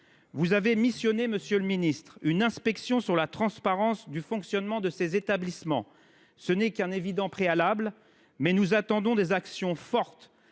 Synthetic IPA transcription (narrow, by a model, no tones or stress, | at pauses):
vuzavemisjɔneməsjøləminist̪χynɛ̃spɛksjɔ̃syʁlat̪χɑ̃spaʁɑ̃sd̪yfɔ̃ksjɔnmɑ̃d̪əsezet̪ablismɑ̰̃ | sənɛkɛ̃nevid̪ɑ̃pχealabl | mɛnuzat̪ɑ̃d̪ɔ̃d̪ezaksjɔ̃fɔʁt̪